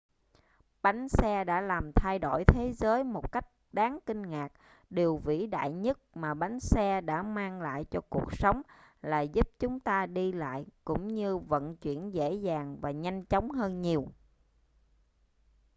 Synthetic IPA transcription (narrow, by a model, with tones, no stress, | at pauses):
ɓa˨˦jŋ̟sɛ˧ɗa̰ː˧˥laː˨˩mt̪ʰa˧jɗo̰˧˩jt̪ʰe˨˦zəː˨˦jmo˨˩t̚ka˦˥jk̟̚ɗaː˨˦ŋkï˧ŋ̟ŋaː˨˩k̚ | ɗi˨˩əwvḭ˧˥ɗa̰ː˧˨jɲə˦˥t̚maː˨˩ɓa˨˦jŋ̟sɛ˧ɗa̰ː˧˥maː˧ŋla̰ː˧˨jt͡ɕɔ˧ku˨˩ək̚sə˨˦wŋ͡mlaː˨˩zu˦˥p̚t͡ɕʊ˨˦ŋ͡mt̪aː˧ɗi˧la̰ː˧˨jkʊ̰˧˥ŋ͡mɲɨ˧və̰˧˨nt͡ɕwḭ˧˩ənzḛ˧˥zaː˨˩ŋvaː˨˩ɲa˧jŋ̟t͡ɕɔ˨˦wŋ͡mɦəː˧nɲi˨˩əw